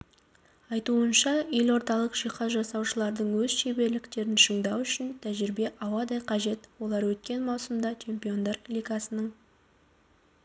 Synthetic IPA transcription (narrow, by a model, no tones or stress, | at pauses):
ɑjt̪uənʃɑelo̞ɾt̪ɑlˠəqʒijqɑsʒɑsɑwʃəlˠɑɾd̪əɴwɵzʃe̞be̞ɾlɪkt̪e̞ɾɪnʃəɴd̪ɑwʏʃɪnt̪ʰæʒɪɾbe̞ʔɑwɑd̪ɑjqʰɑʒe̞t̪wo̞lˠɑɾwɵt̪̚kʲe̞nmɑwsəmd̪ɑt͡ʃʰe̞mpʲio̞nd̪ɑɾlʲijɡɑsənəɴ